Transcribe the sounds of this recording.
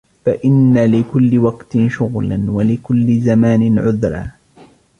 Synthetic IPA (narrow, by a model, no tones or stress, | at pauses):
faʔɪnːalɪkʊlːɪwɑqt̪ɪʃʊɣlanwalɪkʊlːɪzamaːnɪnʕʊðɾˤɑ̰ː